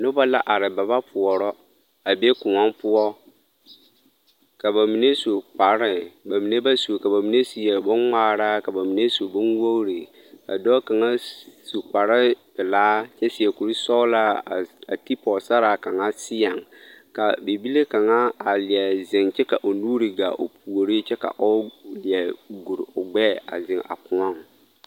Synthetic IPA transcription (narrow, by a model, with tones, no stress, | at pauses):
nʊ˦ba˦la˦ʔa˨ɾɪ˨ba˨ba˦pʰʊ˨ɔ˨ɾɔ˦ | a˨be˦kʊ˨ma˦mpʊ˦ɔ˦ | ka˨ba˨mi˨ne˦so˨k͡pa˨ɾɪ˦ba˨mi˨ne˦ba˦so˨ka˨ba˨mi˨ne˦si˨ja˨bʊ˦nŋ͡maː˦˨ɾa˦ka˨ba˨mi˨ne˦so˨bʊ˦nwo˦wɾi˨ | ka̰˨dɔː˦ka˨ŋa˦su˨k͡pa˨ɾɪ˦bɪ˨laː˦t͡ʃɛ˦sɪ˨ɛ˨ku˨ɾi˦sɔ˦la˦˨a˨ti˦pɔ˨sa˦ɾa˨ka˨ŋa˦sɪ˦ja˨ŋka˨be˨bi˦le˦ka˨ŋa˦a˨lɪ˨a˨zɪ˨ŋt͡ʃɛ˦ka˨ʔo˨nuː˦ɾi˨ɡa̰˨ʔo̰˨pʰu˨o˨ɾi˦t͡ʃɛ˦ka̰˨ʔɔ˦lɪ˨a˨ɡu˨ɾʊ˨ɡ͡bɛː˦a̰˨zɪ˨ŋa̰˨pʊ˦a˦˨ŋ